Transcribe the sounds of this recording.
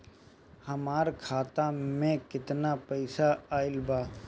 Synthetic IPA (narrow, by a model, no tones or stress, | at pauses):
hɐmaːɾkʰaːt̪amẽkɪt̪napɛɪsaaːɪlbaː